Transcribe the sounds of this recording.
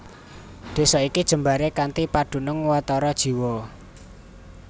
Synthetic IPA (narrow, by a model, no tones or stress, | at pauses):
d̪̥e̤sɔikid̥ʒ̥ə̤mbaɾekant̪ipaɖ̪̥ṳnʊŋwat̪ɔɾɔd̥ʒ̥i̤wɔ